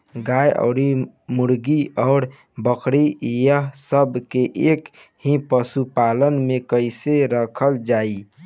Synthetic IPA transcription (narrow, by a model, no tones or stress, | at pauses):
ɡajɔ̰ʊɾi | muɾɡiɔʊɾ | bəkʰɾijəɦsəbʱkeʔek | hĩpəsupalənmekəɪseɾəkʰəld͡ʒai